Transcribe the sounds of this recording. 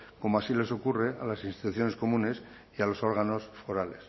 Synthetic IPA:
ko̞moasile̞so̞kure̞alasinst̪i̥t̪uθjo̞ne̞sko̞mũne̞s | ialo̞so̞ɾɣ̞ano̞sfo̞ɾale̞s

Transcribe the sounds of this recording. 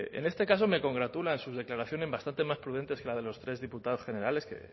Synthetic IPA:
ḛne̞st̪e̞kas̬o̞me̞ko̞ŋɡɾat̪ulansuzðe̞klaɾaθjo̞ne̞zβast̪ant̪emaspɾuð̞e̞nt̪e̞ske̞lað̞e̞lo̞st̪ɾe̞zðiput̪aðo̞sxe̞ne̞ɾale̞skḛ

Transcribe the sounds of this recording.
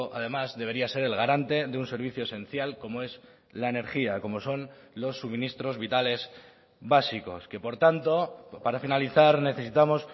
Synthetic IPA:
ʔa̰ðe̞mazðeβe̞ɾiase̞ɾe̞lɣaɾant̪e̞ðeunse̞ɾβ̞iθjo̞ese̞nθjalko̞moe̞z | laene̞ɾxiako̞mo̞so̞nlo̞sːumĩnist̪ɾo̞zβit̪ale̞z | βasiko̞̰ske̞po̞ɾt̪ant̪o̞paɾafinaliθaɾne̞θe̞sit̪amo̞s

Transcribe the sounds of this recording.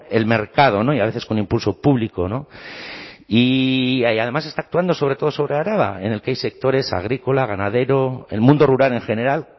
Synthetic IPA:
e̞lme̞ɾkað̞o̞no̞iaβe̞θesko̞nĩmpulso̞puβliko̞no̞ | i | að̞e̞mase̞st̪aːk̚t̪uand̪o̞so̞β̞ɾet̪oð̞o̞so̞βɾeaɾaβ̞a̰e̞ne̞lkeajse̞k̚t̪o̞ɾe̞sa̰ɣ̞ɾiko̞laɣ̞anað̞e̞ɾo̞e̞̰lmũnd̪o̞ruɾale̞ŋxe̞ne̞ɾal

